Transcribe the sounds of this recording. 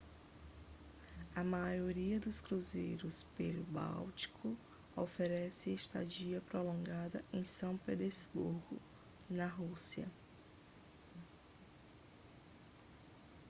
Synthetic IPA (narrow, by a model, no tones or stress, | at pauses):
ɐmajoɾiɐd̪ʊskɾuzejɾʊspelʊba̰wt͡ʃi̥kʰʊ | ofeɾɛsɪiʃt̪a̰d͡ʒiɐpɾolõɡad̪ɐʔẽj̃sɐ̃w̃ped̪ezbuɾɡʊ̰ | nɐɦusiɐ̰